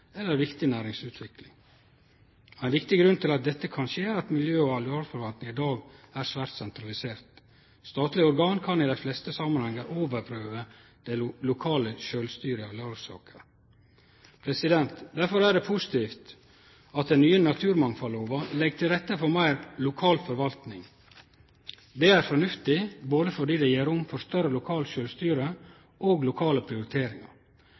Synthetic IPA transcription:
ɛlːəɾʋɪkt̪ɪnæːɾɪŋsʉːt̪ʰʋɪklɪŋ | æɪnʋɪkt̪ɪɡɾʉnt̪ʰɪlɑt̪̚d̪ɛt̪ːəkʰɑnʃeːɑt̪mɪljøːɔɑlʉɑːlfɔɾʋɑnt̪nɪŋɪd̪ɑːɡæɾsʋæːɾt̪sɛnt̪ɾɑlɪseːɾt̪ | st̪ɑːt̪lɪɔɾɡɑːnkʰɑnɪd̪æɪflɛst̪əsɑmɑnhɛŋːəɾʔoːʋəɾpʰɾøːʋə | d̪̥ɛlʊkʰɑːləʃøːlst̪yːɾəɑʋlɑːʉsɑ̰ːkə | pʰɾɛsɪd̪ɛnt̪d̪æɾfɔɾæɖɛpʰusɪ̥t̪ʰiːft̪ | ɑt̪̚d̪ɛnyːənɑt̪ʰʉːɾmɑŋfɑloːʋɑlɛɡ̚t̪ʰɪlɾɛt̪ːəfɔɾmæɪɾlʊkʰɑːlfɔɾʋɑlt̪nɪŋ | d̪ɛæɾfɔnʉft̪ɪboːd̪əfɔɖiːd̪ɛjeːɾʊmfɔɾst̪œɾəlʊkʰɑːlʃøːlst̪yːɾə | ʔoːɡlʊkʰɑːləpʰɾɪʊɾɪt̪ʰeːɾɪŋɑ̰ɾ

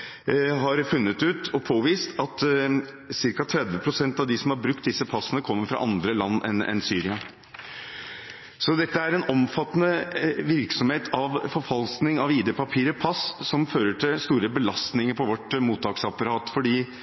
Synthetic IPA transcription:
ɦɑɾfʉnːət̪ʉːt̪ɔpʰoːʋiːst̪ɑt̪ | sɪɾkɑt̪ʰɾɛd̪ʋəpʰɾʊsɛnt̪ɑʋd̪ɪsɔmhɑɾbɾʉk̚t̪̚d̪ɪsːəpʰɑsːənəkʰɔmːəɾfɾɑ̰ʔɑnd̪ɾəlɑnːɛ̰nɛ̰nsyːɾɪɑ | sɔd̪ɛt̪ːəæɾɛnɔmfɑt̪ːənəʋɪɾksɔmheːt̪ʰɑʋfɔɾfɑlsknɪŋɑʋiːd̪ɛpʰɑpʰiːɾəpʰɑssɔmføːɾəʈʰɪlst̪uːɾəbəlɑst̪nɪŋəɾpʰɔʋɔʈmuːt̪ːɑːksɑpɑɾɑːt̪fɔɖiː

